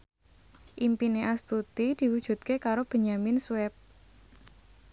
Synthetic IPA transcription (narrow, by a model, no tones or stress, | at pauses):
ʔimpineʔast̪ut̪id̪̥i̤wud̥ʒ̥ṳt̪̚kekaɾob̥ə̤ɲamɪnswɛp̚